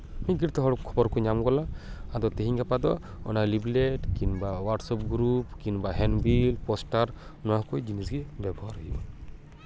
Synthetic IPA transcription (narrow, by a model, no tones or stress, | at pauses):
miɡiɾt̪ɛɦɔɽɔkʰːɔbɔɾkuɲamɡɔlaad̪ɔt̪eɦiɲɡapad̪ɔ | ɔ̰nalibleʈkinbawaɾʈsɔp̚ɡɾupkinbaɦɛnbilpɔsʈaɾnɔwakojd͡ʒinisɡɛbɛbɔɦaɾɔɦibɔ̰